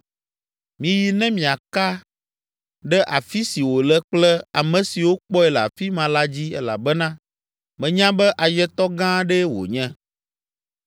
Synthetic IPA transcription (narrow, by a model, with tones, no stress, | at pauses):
mĩ˨ji˨nɛ̃˦mĩ˨a˨ka˦ | ɖɛ˦ʔa˨fi˦si˨wo˨lɛ˦k͡plɛ˦a˨mɛ̃˨si˨wo˦k͡pɔ˦ɛ˦lɛ˨a̰˨fi˦mã˨la˦d͡ʑi˦ɛ̰˦la̰˨bɛ˦nã˦ | mɛ̃˨ɲã˦bɛ˦ʔa˨jɛ˦t̪ɔ˦ɡã˦ɖɛ˦wo̰˨ɲɛ̃˦